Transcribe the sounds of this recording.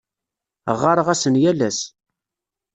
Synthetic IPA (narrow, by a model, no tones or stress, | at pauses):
ʁːɑɾˤəʁæsənjælæs